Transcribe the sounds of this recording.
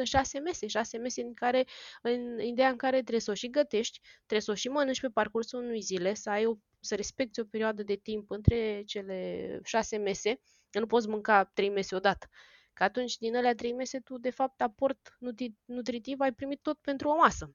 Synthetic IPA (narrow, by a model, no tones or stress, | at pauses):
əʃase̞me̞se̞ʃase̞me̞seiŋkaɾe̞ɨnid̪ejaɨŋkaɾe̞t̪ɾesoʃiɡət̪e̞ʃt̪ʲt̪ɾeso̞ʃimənɨnʃʲpe̞parkursulunujzile̞səajo̞ | səɾe̞spe̞k̚t̪sʲo̞peɾioad̪əd̪e̞t̪impɨnt̪ɾe̞t͡ʃe̞le̞ʃase̞me̞se̞ | nupot̪s̬ʲmɨŋkat̪ɾe̞jme̞seo̞d̪at̪ə̥ | kəat̪unt͡ʃʲd̪inəleat̪ɾe̞jme̞se̞t̪ud̪e̞fap̚t̪apo̞rt̪nut̪inut̪ɾit̪ivajpɾimit̪ːo̞t̪̚pe̞nt̪ɾuomasə